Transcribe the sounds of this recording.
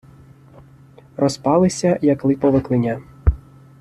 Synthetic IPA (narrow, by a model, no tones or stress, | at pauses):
rɔspɑlˠɪsʲɐjɐklˠɪpɔʋɪklˠɪnʲa